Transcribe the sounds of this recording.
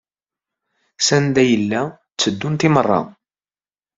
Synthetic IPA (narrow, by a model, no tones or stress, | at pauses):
sænd̪æjəlːæ | t͡sːəd̪ːunt̪ɪmərˤːɑ̰